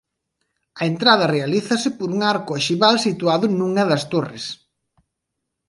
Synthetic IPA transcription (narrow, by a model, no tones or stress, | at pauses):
ɐent̪ɾaðɐrealiθɐsɪpoɾuŋaɾkʊaʃiβalsit̪uaðʊnuŋɐðɐst̪orḛs